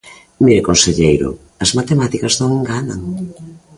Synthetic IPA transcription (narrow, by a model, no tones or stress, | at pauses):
miɾekonseʎejɾʊ̰ | ɐzmat̪emat̪ikɐznõŋeŋɡanaŋ